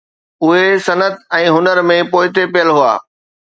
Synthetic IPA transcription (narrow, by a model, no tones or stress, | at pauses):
ʊɦesɐnət̪ɛ̃ːɦʊnəɾmẽpoːɪt̪epijəlɦua̰ː